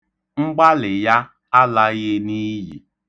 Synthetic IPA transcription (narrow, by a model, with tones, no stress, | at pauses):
ŋ͡m̩˦ɡ͡ba˦lɪ˨ja˦ | a˦la˦ɣe˦ni˦jḭ˨